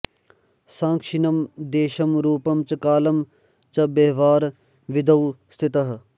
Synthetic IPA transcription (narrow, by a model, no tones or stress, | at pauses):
sãːŋkʃinɐmd̪eːʃɐmɾuːpɐmt͡ʃɐkaːlɐm | t͡ʃɐbeɦʋaːɾ | ʋid̪ɐwst̪ʰit̪ɐɦ